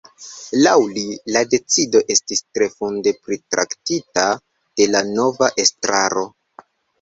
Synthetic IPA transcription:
lawlilade̞t͡sido̞ʔe̞stistɾe̞funde̞pɾitɾa̰ktita | d̥e̞lano̞vaʔe̞stɾa̰ɾo̞

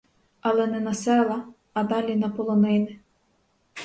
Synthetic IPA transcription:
ɐlˠɛnɛnɐsɛlˠɐ | ɐd̪ɑlʲinɐpɔlˠɔnɪnɪ

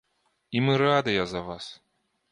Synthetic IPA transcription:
imɨɾad̪ɨjɐzɐvas

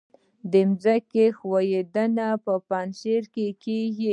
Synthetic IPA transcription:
d̪əmzakexwajed̪ənapəpɑnʃeɾkekeɡi

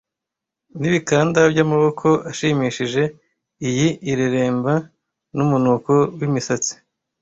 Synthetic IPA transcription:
niβikaːndabɟamaβo̞kʰo̞aʃimiʃiʒe̞ | ijiʔiɾeɾe̞ːmba | numunuko̞wimisat͡si̥

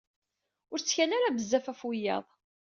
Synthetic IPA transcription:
ʊɾt͡sːçænaɾabəzːæfæfwijɑ̰ðˤ

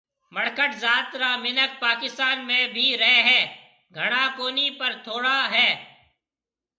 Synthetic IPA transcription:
məɽkəʈzaːt̪ɾaːmɪnək̚paːkɪst̪aːnmẽːbʱiːɾɛːɦɛː | ɡʱəɽ̃aːkoːniːpəɾt̪ʰoːɽaːɦɛː

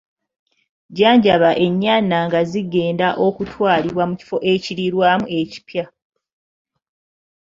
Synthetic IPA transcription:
ɟaːɲɟaβaʔe̞ɲːaːnaŋɡaziɡe̞ːndaʔo̞kutʰwaːliβwamuci̥fo̞ʔe̞ciɾiɾwaːmue̞ci̥pja

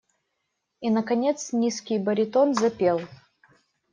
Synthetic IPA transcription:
inəkɐnʲe̞t̪snʲiskʲɪjbəɾʲɪt̪onzɐpʲe̞lˠ

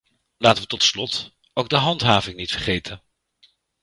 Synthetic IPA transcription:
laːtəʋətɔtslɔt | owɡ̚dəɦɑntɦaːvɪŋnitfərχejtʰən

